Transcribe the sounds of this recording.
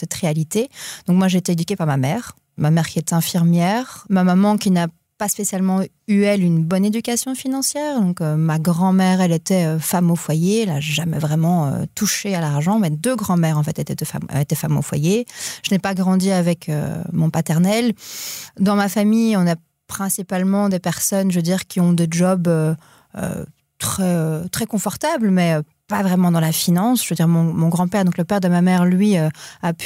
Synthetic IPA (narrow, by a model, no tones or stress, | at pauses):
sɛt̪ʁealit̪ed̪ɔ̃kmwaʒeːt̪eed̪ykʲepaʁmamɛːʁ | mamɛʁkʲiɛt̪ɛ̃fiʁmjɛʁmamamɑ̃kʲina | paspesjalmɑ̃ | yɛlynbɔned̪ykʲasjɔ̃finɑ̃sjɛːʁd̪ɔ̃kømaɡʁɑ̃mɛʁɛlet̪ɛøfamofwajeɛla̰ʒamɛ̰vʁɛmɑ̃ø̰t̪uʃealaʁʒɑ̃mɛd̪øɡʁɑ̃mɛʁɑ̃fɛt̪et̪ɛt̪ɛfa̰m̰et̪ɛfamo̰fwa̰jeʒ̥ənɛpaɡʁɑ̃d̪iavɛkʰø̰mɔ̃pat̪ɛʁnɛl | d̪ɑ̃mafamijɔ̃na | pχɛ̃sipalmɑ̃d̪epɛʁsɔnʒød̪iʁkʲiɔ̃d̪ed͡ʒɔbø | ø̰ | t̪χɛøt̪χɛkɔ̃fɔʁt̪abləmɛø | pavʁɛmɑ̃d̪ɑ̃lafinɑ̃sʒ̥vød̪iʁmɔ̃mɔ̃ɡʁɑ̃pɛʁd̪ɔ̃kləpɛʁd̪əmamɛʁlɥiøapy